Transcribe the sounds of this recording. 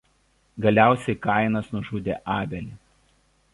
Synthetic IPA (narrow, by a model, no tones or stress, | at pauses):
ɡɐlʲæˑʊsʲɛɪkɐˑɪnɐsnʊʒuːd̪ʲḛːʔɑːbʲɛlʲɪ